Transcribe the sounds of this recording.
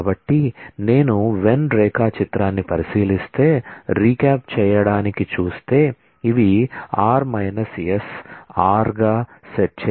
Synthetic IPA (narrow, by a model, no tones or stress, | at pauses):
bɐʈːine̞ːnuʋe̞nɾɛːkaːt͡ʃit̪ɾaːnːipɐɾisiːlist̪e̞ːɾiːkaːpt͡ʃɛːjɐɽaːnikit͡ʃuːst̪e̞ː | iʋiaːɾmɐjnɐsesaːɾɡaːseʈ̚t͡ʃː